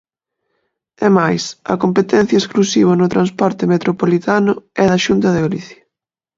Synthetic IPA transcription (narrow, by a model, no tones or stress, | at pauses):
ɛmajsɐ̰kompet̪ɛn̟θjɐesklusiβ̞ɐnʊt̪ɾãnspɔɾt̪ɪmet̪ɾopolit̪anʊɛðɐʃunt̪ɐðɪoliθjɐ